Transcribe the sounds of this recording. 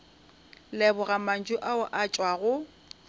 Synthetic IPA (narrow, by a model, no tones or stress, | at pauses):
lɛbʊɣaman̩d͡ʒʊʔaʊʔat͡ʃʼwaɣʊ